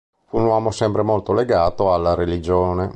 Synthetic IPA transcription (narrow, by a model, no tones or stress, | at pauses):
funwɔːmosɛmpɾemolt̪oleɡaːt̪oalːaɾelid͡ʒoːne